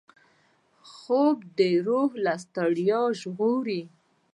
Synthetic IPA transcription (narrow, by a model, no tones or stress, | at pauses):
xobd̪əɾohlast̪aɽjɑʒɣoɾi